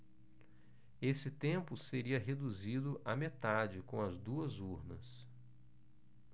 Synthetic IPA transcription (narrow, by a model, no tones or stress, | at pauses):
esɪt̪ẽmpʊseɾiɐɦed̪uzid̪ʊʔamet̪ad͡ʒɪkõw̃ɐzd̪uɐzuɾnɐs